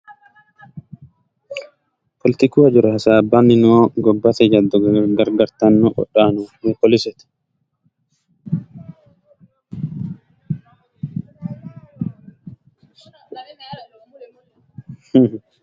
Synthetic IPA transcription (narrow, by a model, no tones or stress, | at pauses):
pʰɔlɪt̪ɪkuɐd͡ʒʊɾɛhɐsaːbamɪnoːɡɔbːɐt̪ɛd͡ʒɐd̪ːɔɡɐɾɡɐɾt̪ɐnːɔʔɔ̰ɗːaːnunukɔlɪsɛt̪ɛ̥ | h